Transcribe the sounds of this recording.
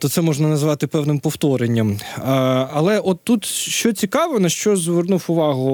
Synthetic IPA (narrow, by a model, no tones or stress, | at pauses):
t̪ɔt̪sɛmɔʒnɐnɐzʋɑt̪ɪpɛwnɪmpɔft̪ɔɾenʲːɐm | ɐlˠɛʔɔt̪ːut̪ʃt͡ʃɔt͡sʲikɑʋɔnɐʃt͡ʃɔzʋernufʊʋɑɦʊ